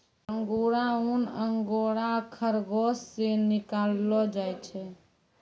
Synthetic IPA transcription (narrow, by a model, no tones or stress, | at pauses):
əŋɡoɾaunəŋɡoɾakʰəɾɡosːenikalːɔd͡ʒajt͡ʃʰɛ